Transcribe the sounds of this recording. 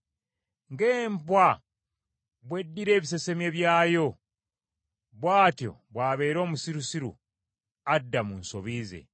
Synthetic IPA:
ŋɡeːmpwa | βwe̞dːiɾe̞ːβis̬e̞se̞mje̞βjaːjo̞ | βwaːtjo̞̰βwaːβe̞ːɾo̞ːmusiɾusiɾṵ | adːamunsoβize̞̰

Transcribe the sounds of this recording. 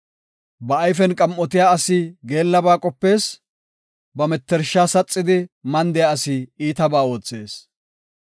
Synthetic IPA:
bɐːjfɛnkʼɐmʔɔt̪ɪjaːɐsɪɡe̞ːlːɐbaːkʼɔpːe̞ːs | bɐmɛt̪ːɛɾʃːaːsɐt͡sʼːɪd̪ɪmɐnd̪ɛjaɐsɪiːt̪ɐbaːo̞ːt͡sːe̞ːs

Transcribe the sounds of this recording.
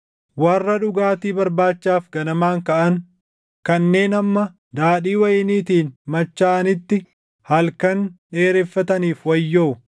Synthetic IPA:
wɐrːɐᶑʊɡaːt̪iːbɐɾbaːt͡ʃːaːfɡɐnɐmaːŋkɐʔɐn | kɐnːe̞ːnɐmːɐ | d̪aːᶑiːwɐjɪniːt̪iːnmɐt͡ʃːaːʔɐnɪt̪ːɪ | hɐlkɐnᶑe̞ːɾɛfːɐt̪ɐniːfwɐjːoː

